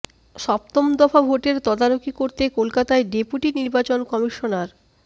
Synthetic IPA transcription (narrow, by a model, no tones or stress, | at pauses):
ʃɔp̚t̪omd̪ɔfabʱoʈeɾt̪ɔd̪aɾokikoɾt̪ekolkat̪aeɖepuʈiniɾbat͡ɕonkɔmiʃonaɾ